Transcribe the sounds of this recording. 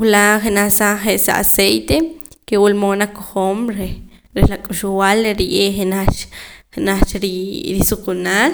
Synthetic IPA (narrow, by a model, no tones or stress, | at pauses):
wulaχenaχsaχeʔsa̰ʔa̰sejt̪ekewulmonakoχoːmɾeɾehlakʼuʃuwaleɾiʔeχenaχenaχt͡ʃɾiɾisukunaːl